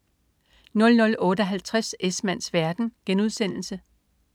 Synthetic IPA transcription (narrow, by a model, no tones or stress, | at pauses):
nɔ̽lnɔ̽lɔ̽ːɾ̥əɒɦælt͡sʰʁasesmæn̰sʋæɐd̥n̩ɡ̥enuð̞ˠsen̰l̩sə